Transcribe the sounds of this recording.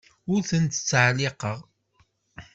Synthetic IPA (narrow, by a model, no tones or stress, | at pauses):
ʊɾθənt̪ə̥t͡sːʕlɪqəʁ